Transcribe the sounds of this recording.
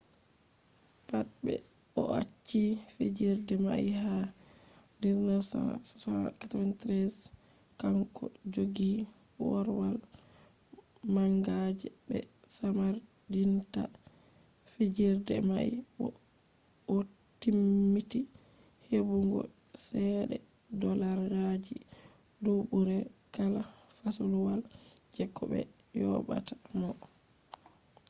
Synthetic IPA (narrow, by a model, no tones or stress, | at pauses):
tatbɛ̰ | ɔʔat͡ʃːifed͡ʒiɾdɛma̰iɦa | diznɔsa̰na̰sɔ̥sana̰katɔvantɾɛskaŋkʰɔ̰d͡ʒoɡiwɔɾwal | maŋɡad͡ʒɛbɛ̰samaɾdinta | fid͡ʒiɾdɛ̰maj | ɔtimːitihebuŋɡɔ̰sɛɗɛ̰ | dɔlaɾɡad͡ʒi | dobuɾɛkalahasuluwald͡ʒɛkʰːɔbɛ̰jɔ̰ba̰tḁmɔ